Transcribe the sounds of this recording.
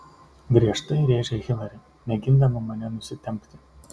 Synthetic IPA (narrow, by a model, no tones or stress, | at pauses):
ɡɾʲiɛʃt̪ɐɪɾʲeːʒʲɛɣʲɪlˠɐɾʲɪ | mʲɛɡʲɪnd̪ɐmɐmɐnʲɛnʊsʲɪt̪ʲɛmʲkʲt̪ʲɪ